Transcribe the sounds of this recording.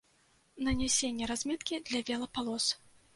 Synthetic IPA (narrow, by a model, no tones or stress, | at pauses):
nɐnʲɛsʲenʲːɛɾazʲmʲɛt̪kʲid̪lʲɐvʲɛlˠɐpalˠɔs